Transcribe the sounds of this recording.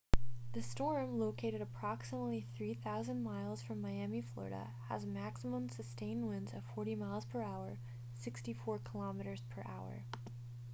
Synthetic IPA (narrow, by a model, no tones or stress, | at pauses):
ðɨstɔɹmloʊkʰeɪɾɨɾəpʰɹ̥ɑksəmətˡliθɹiθaʊzə̃nmaɪlˠz̥fɹʌ̃mːaɪæmiflɔ̰ɹɨ̰ɾə̰ | ə̰zmæksəmə̃msɨstẽɪ̃ndwɪ̃ndzɨv̥fɔɹɾimaɪlˠz̥pʰə˞aʊə˞ | sɪkstifɔɹkʰəlɑmɨɾə˞z̥pʰə̰˞ʔa̰ʊə̰˞